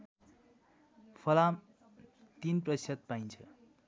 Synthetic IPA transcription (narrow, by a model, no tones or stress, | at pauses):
pʰʌlam | t̪inprʌisʌt̪̚pajnt͡sʰʌ̰